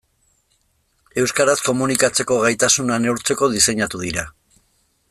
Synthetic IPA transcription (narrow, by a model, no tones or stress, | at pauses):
e̞wskaɾasko̞munikat͡se̞ko̞ɣajt̪asunane̞wɾt͡se̞ko̞ðise̞ɲat̪uðiɾa